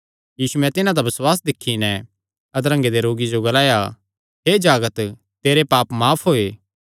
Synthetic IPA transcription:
jiːsuɛ̃t̪ɪnãd̪abɪswaːs̬d̪ɪkʰːinɛ | ɐd̪ɾɐ̃ŋɡed̪eɾoːɡid͡ʒoɡɐlaːja | ɦeːd͡ʒaːɡət̪ | t̪eːɾepaːpmaːpʰɦoːeː

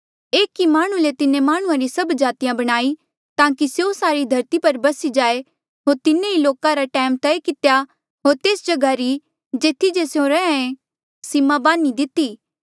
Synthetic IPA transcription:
eːkːimaːɽ̃ulet̪ɪnẽmaːɽ̃ʊ̃ãɾisɐbd͡ʒaːt̪ijãbɐɽ̃aːi | t̪ãːkisjosaːɾid̪ʱɐɾt̪ipɐɾbɐsid͡ʒaːe | ɦoːɾt̪ɪnẽiloːkãɾaʈɛːmt̪ɛekɪt̪ja | ɦoːɾt̪eːsd͡ʒɐɡaɾi | d͡ʒeːt̪ʰːid͡ʒesjõɾɛãẽ | sɪmãbãːnid̪ɪt̪iː

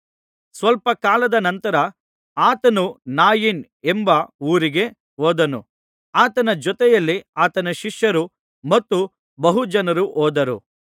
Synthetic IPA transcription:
sʋɐlpɐkaːlɐd̪ɐnɐnt̪ɐɾɐ | aːt̪ɐnunaːjin | embɐuːɾiɡe̞ | oːd̪ɐnṵ | aːt̪ɐnɐd͡ʒɔt̪ɛjɐlːiaːt̪ɐnɐʃiʂjɐɾu | mɐt̪ːu | bɐɦud͡ʒɐnɐɾuʔoːd̪ɐɾṵ

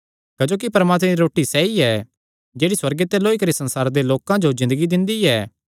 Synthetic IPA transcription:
kɐd͡ʒoːkipɐɾəmaːt̪meɾiɾoːʈisɛːiɛ | d͡ʒeːɽiswɐɾɡet̪ɛloːikɐɾisɐ̃nsaːɾd̪eloːkãd͡ʒozɪ̃nd̪əɡid̪ɪ̃nd̪iɛː

